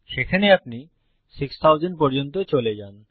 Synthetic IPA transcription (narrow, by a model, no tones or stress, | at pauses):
ʃekʰaneap̚ni | sikst̪ʰawd͡ʑenpɔɾd͡ʑont̪ot͡ɕoled͡ʑan